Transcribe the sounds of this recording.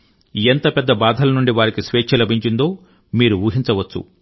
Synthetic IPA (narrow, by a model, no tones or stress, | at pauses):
ient̪ɐpɛd̪ːɐbaːd̪ʱɐlɐnuɳɖiʋaːɾikisʋeːt͡ʃʃɐlɐbʱiɲt͡ʃind̪o̞ː | miːɾuuːɦint͡ʃɐʋɐt͡ʃːṵ